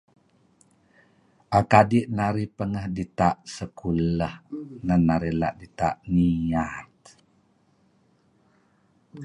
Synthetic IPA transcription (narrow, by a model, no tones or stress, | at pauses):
ʔakadiʔnaɾipəŋəhdit̪aʔsəkuləhnanːaɾila̰ʔdit̪a̰ʔniat̪̚